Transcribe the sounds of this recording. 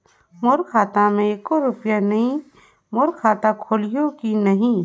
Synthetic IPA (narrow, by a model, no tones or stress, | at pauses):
moːɾkʰaːt̪amẽeːkoɾʊpjanɐɦĩ | moːɾkʰaːt̪akʰoːlijõkinɐɦĩ